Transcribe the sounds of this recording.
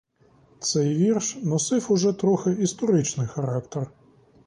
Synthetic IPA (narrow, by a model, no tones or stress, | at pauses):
t̪sɛjʋʲirʃnɔsɪfʊʐɛt̪ɾɔxɪist̪ɔɾɪt͡ʃnɪjxɐɾɑkt̪er